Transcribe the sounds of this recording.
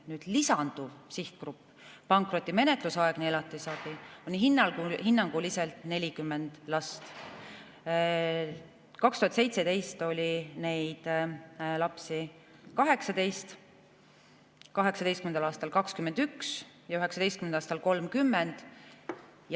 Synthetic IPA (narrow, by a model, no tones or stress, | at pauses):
nyːd̪̥lisɑnd̪̥uvsiht̪̚krupːˑ | pɑŋkˑro̞t̪ːˑime̞ne̞t̪ˑlusɑeɡ̥nielɑt̪ːˑisɑːb̥ionʲiɦinːɑlɡuhinːɑŋɡ̥uliselt̪ne̞lʲikymːend̪̥lɑst̪ | kɑkst̪uhɑt̪se̞jt̪se̞d̪e̞jst̪o̞lʲine̞jd̪̥ | lɑpsi | kɑɦe̞ksɑd̪e̞jst̪ | kɑɦe̞ksɑd̪e̞jst̪kymend̪ɑlɑːst̪ɑlkɑkskymːe̞nd̪̥yks | jɑyɦe̞ksɑd̪e̞jst̪kymenɑːst̪ɑlko̞lmkymːend̪̥ | j